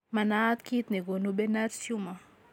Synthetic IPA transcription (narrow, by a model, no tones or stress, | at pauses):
manat̪kit̪niɡonubɛnaɾsjuma